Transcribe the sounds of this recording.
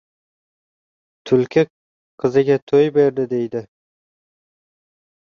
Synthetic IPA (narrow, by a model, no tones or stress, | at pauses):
t̪ʰʊlkʲʰɪ | qʰɨzɪɡʲat̪ʰojbe̞ɾd̪ɪd̪e̞jd̪ɪ